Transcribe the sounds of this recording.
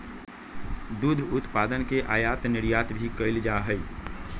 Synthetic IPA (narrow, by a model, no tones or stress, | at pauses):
d̪ud̪ʱʊt̪paːd̪ənkeʔaːjaːt̪nɪɽjaːt̪bʱikəɪld͡ʒaːɦəi